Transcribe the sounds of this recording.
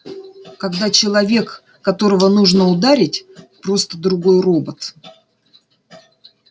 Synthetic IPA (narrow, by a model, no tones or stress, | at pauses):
kɐɡd̪at͡ɕɪlˠɐvʲe̞kː | ɐt̪o̞ɾəvənuʐnəʊd̪aɾʲɪtʲpɾo̞st̪əd̪ɾʊɡo̞jro̞bət̪